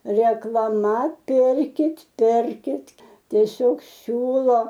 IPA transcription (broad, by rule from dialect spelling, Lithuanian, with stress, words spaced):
rʲɛklˠɐˈmɐ ˈpʲɪrʲkʲɪtʲ ˈpʲɪrʲkʲɪtʲ tʲiɛˈsʲoːk ˈsʲuːlˠoː